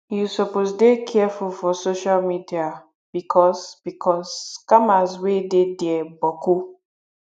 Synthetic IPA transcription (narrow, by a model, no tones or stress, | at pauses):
jusɔpozdekʰɛfulfɔsoʃalmidia | b̥ikʰɔsb̥ikʰɔskamazwedediɛbɔku